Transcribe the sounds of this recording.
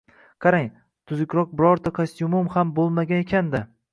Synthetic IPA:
qʰɑɾaŋ | t̪ʰʊzɪkʲɾɒq̚bɪɾɒɾt̪ʰakʰast̪jumʊmhambolˠmaɡʲanekʲʰand̪ɪ

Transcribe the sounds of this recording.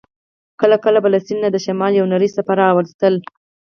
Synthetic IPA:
kəlakəlabalasinːad̪əʃamɑljawnaɾizsapaɾaːwaɾzt̪əl

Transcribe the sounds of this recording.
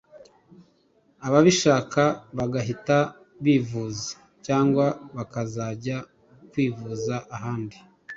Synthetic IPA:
aβaβiʃaːkaβaɡaɦita | βiːvuzḁ | caːŋɡwaβakazaːɟa | kwiːvuːzaʔaɦaːndi

